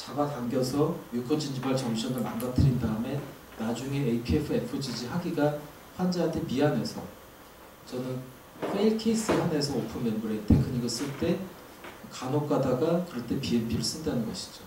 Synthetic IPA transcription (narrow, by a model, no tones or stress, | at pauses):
t͡ɕaɡataŋɡjʌsʰʌjukʰʌd͡ʑiɲd͡ʑibaɭt͡ɕʌmɕʰʌnɯɭma̰nɡatʰɯɾindaɯme̞ | nad͡ʑuŋe̞ːikʰepʰɯe̞pʰɯd͡ʑid͡ʑiɦaɡiɡa | ɸwand͡ʑaɦantʰe̞miɦane̞sʰʌ̰ | t͡ɕʌnɯn | fʰeikʰeis͈ɯhane̞sʰʌopʰɯmenbuɾetʰekʰɯɲiɡɯs͈ɯɭt͈e̞ | kanok͈adaɡakɯɾʌt͈e̞pienbʰiɾɯɭs͈ɯndanɯnɡʌɕʰi̥d͡ʑo